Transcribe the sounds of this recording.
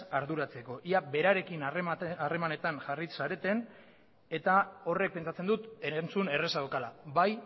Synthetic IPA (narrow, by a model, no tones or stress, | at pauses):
aɾðuɾat͡se̞ko̞ʔiabe̞ɾaɾe̞kinare̞mane̞t̪aŋʝarisaɾe̞t̪e̞n | e̞t̪ao̞re̞k̚pe̞nt͡sat͡se̞nd̪ut̪eent͡sune̞re̞saokalabaj